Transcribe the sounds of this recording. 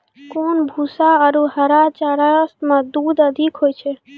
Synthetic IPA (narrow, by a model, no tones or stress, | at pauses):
konbʱusaəɾuɦəɾat͡ʃaɾast̪mə̃d̪uːd̪əd̪ʱikɦoːjt͡ʃʰe